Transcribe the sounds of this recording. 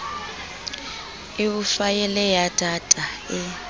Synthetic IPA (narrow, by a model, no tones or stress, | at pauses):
ikufajɛlɛjatʰʼatʼaɪ